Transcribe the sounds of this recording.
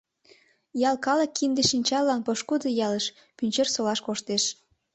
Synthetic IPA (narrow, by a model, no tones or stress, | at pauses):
jɑlkɑləkːind̪eʃinʲt͡ɕɑlːɑnpoʃkud̪əjɑləʃ | pynʲt͡ɕersolɑʃkoʃt̪eʃ